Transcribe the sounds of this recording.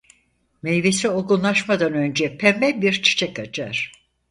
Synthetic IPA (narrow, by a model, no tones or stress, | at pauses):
mejvesio̞ɡunlˠaʃmad̪anø̞nd͡ʒɛpʰɛmɛlbiɾt͡ʃʰi̥t͡ʃʰɛkat͡ʃʰaɾ̥